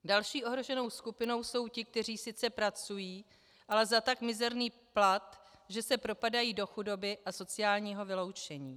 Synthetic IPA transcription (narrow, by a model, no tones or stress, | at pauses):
dalʃiːʔo̞ɦɾo̞ʒɛno̞wskupɪno̞wso̞wcɪk̚t̪ɛr̝iːsɪt͡sɛpɾat͡sujiː | ʔalɛzat̪akmɪzɛɾniː | plat̪ʒɛsɛpɾo̞padajiːdo̞xudo̞bɪʔaso̞t͡sɪjaːlɲiːɦo̞vɪlo̞wt͡ʃɛɲiː